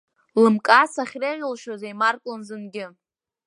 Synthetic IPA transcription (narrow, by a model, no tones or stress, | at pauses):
lɨmkʼasaχʲreʁʲɪlʃozajmarkʷʼlɨnzɨnɡʲɪ